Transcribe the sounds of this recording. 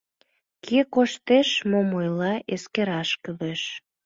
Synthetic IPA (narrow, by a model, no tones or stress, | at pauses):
kʰekoʃt̪eʃmomojlɑʔeskeɾɑʃkəβeʃ